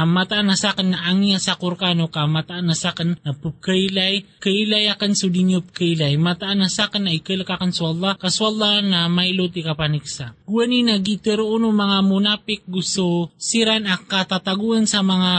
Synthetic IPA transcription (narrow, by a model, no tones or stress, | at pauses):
amat̪aʔanasakanːaʔaŋijasakʊɾkanokamat̪aʔanasakannɐpub̚kəjlajkəilajakansud̪injop̚kəjlajmat̪aʔanasakanːaʔikəlkakansuɑlˠˤːɑkasuʔɑlˠːanamajlot̪ikapaniksaɡ̥uwaninaɡit̪ɛɾoʔunʊŋmɐŋamunapɪk̚ɡususiɾanakːat̪at̪aɡuansɐmɐŋa